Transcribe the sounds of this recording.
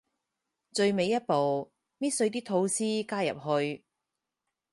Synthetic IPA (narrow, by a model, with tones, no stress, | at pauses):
t͡sɵ˧ɥme˨˧jɐ˥t̚po˨w | miː˥t̚sɵ˧ɥt̪̬iː˥t̪ʰo˧wsiː˥kaː˥jɐ̰˨˩p̚hɵ˧ɥ